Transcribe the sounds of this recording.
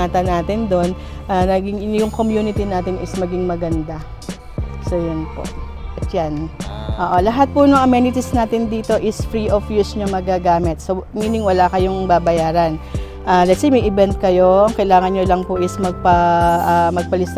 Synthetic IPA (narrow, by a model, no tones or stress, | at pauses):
aːt̪ɐnaːt̪ɪnd̪o̞n | ʔanɐɡɪŋjʊŋkomjuːnɪt̪inaːt̪ɪnɪsmɐɡɪŋmɐɡɐnd̪a | sojʊnpo̰ʔ | ʔɐt̪̚janʔoːʔo̞lɐɦat̪̚pʊnʊŋʔɐmɛnɪt̪ɪsnaːt̪ɪnd̪iːt̪o̞ʔɪsfɾiʔofjusɲomɐɡaɡaːmɪt̪̚soɐŋiːnɪŋwɐlakɐjoŋbabɐjaːɾɐn | ʔaːlɛt̪̚simɐjʔɪbɛnt̪̚kɐjo̞ʔɐŋkɐjlaːŋɐnɲolɐŋpʊʔɪsmɐɡ̚pɐʔmɐɡ̚pɐlɪs